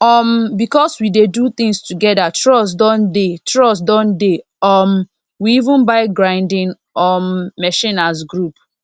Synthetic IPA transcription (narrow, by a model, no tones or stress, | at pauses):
ɔmbikɔswidedut̪ɪ̃ŋstʰuɡɛdatʰɹɔs̬dɔ̃ndetʰɹɔsdɔ̃nde | ɔm | wiivũnbaɪɡɹãɪ̃ndɪ̃n | ɔmːɛʃĩnas̬ɡɹup